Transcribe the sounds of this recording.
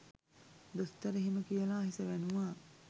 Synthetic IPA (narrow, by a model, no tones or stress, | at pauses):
d̪ost̪ɐɾəɦiməkijəlaːɦisəʋænuʋaː